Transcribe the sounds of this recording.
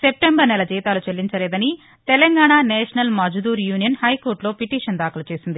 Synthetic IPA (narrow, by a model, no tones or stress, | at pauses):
sep̚ʈembɐɾnɛlɐd͡ʒiːt̪aːlut͡ʃelːiɲt͡ʃɐleːd̪ɐni | t̪ɛlɐŋɡaːɳaːnɛːʂɐnɐlmɐd͡ʒʱud̪uːɾjuːnijɐnhɐjko̞ːɾʈlo̞ːpiʈiːʂɐnd̪aːkɐlɐt͡ʃe̞ːsind̪i